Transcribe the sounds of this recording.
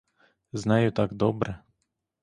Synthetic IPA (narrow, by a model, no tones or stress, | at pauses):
znɑjʊt̪aɡd̪ɔbɾɛ